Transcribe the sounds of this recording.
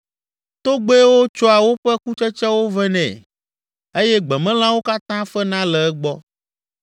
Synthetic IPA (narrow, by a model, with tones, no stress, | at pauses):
t̪o˦ɡ͡be˦wo˦t͡ʃɔ˦a˨wo˦ɸɛ˦ku˦t͡ʃɛ˦t͡ʃɛ˦wo˦vɛ˦nɛ̰̃˨ | e˦jɛ˦ɡ͡bɛ˨mɛ̃˦l̃ã˦wo˦ka˦t̪ã˦fɛ˦nã˦lɛ˨ɛ˦ɡ͡bɔ˦